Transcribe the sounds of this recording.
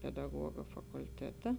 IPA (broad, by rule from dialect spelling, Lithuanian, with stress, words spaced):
pʲɛdɐˈɡuɔɡɐ fɐkʊlʲˈtʲæːtɐ